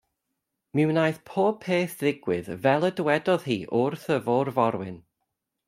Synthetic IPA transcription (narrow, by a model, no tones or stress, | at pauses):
mɪwnaːjθpʰoːpʰeːθðɪɡwɪðvɛlˠədwɛdɔð̥hiːʔʊrθəvɔːrvɔɾwɪ̰n